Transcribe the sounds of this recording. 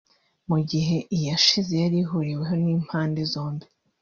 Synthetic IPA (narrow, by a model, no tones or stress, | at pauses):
muɟiɦe̞ʔijaʃizejaɾiɦuɾiwe̞ɦo̞niːm̥haːndezo̞ːmbi